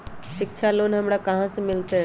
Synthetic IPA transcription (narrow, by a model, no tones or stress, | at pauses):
ʃɪkt͡ʃʰaloːnɦɐmɽakɐɦãsemɪlt̪eɦɛ̃